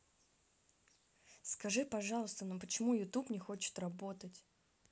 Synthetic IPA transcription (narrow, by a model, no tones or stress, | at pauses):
skɐʐɨpɐʐɑlˠəst̪ənampət͡ɕɪmujʊt̪upnʲɪxot͡ɕɪ̥t̪rɐbo̞t̪ətʲ